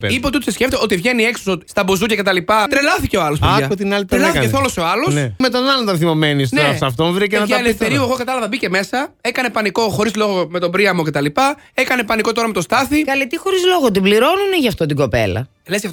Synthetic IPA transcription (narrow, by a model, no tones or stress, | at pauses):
ipeot̪ot̪isesce̞ft̪oot̪ivʝe̞nieksosoist̪ɐbozucɐkce̞t̪ɐlipɐt̪ɾelɐθice̞oɐlospoɐot̪inɐlit̪lɐeθoloseoɐlosnemet̪o̞nɐlont̪ɐnθimo̞menis̬tnɐsɐft̪onvɾicenɐt̪ɐeleft̪eɾiueɣokɐt̪ɐlɐvɐbiceme̞sɐekɐnepɐniko̞xo̞ɾizlo̞ɣo̞me̞t̪o̞bɾiɐmo̞ce̞t̪ɐlipɐ | e̞kɐne̞pɐniko̞t̪oɾɐmet̪o̞st̪ɐθikɐlit̪ixo̞ɾizloɣot̪̬ibliɾo̞nuneʝɐft̪ot̪iɡo̞pe̞̰lɐ̰ | lezjɐft̪o